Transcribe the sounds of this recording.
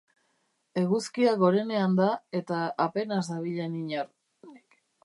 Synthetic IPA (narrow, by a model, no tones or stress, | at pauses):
e̞ɣuskiaɣo̞ɾe̞ne̞and̪ae̞t̪aːpe̞nazd̪aβ̞iʎeniɲaɾ | k